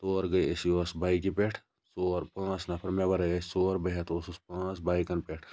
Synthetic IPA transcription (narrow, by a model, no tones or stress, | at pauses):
t̪oːɾɡɐjesijosbaːik̬ipeʈʰ | soːɾpãːt͡ʃnɐpʰɐɾmebɐɾɐjesoːɾbɐɦt̪osuspãːt͡sbaːikɐnpeʈʰ